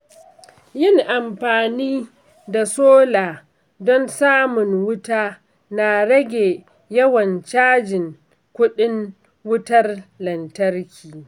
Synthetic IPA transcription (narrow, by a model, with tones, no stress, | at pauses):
jɪ˦˨ŋʔa˨mɸaː˨niː˦ | da˨soː˦laː˨ | dɔ˦nsaː˦mʊ˨ŋwʊ˦taː˦ | na˨ɽɐ˦ɡʲeː˨ | jɐ˦wɐ˨nt͡ʃaː˦d͡ʒɪ˨ŋ | kʷʊ˦ɗɪ˦ŋ | wʊ˦tɐ˦rlɐ˨ntɐ˦rkʲiː˨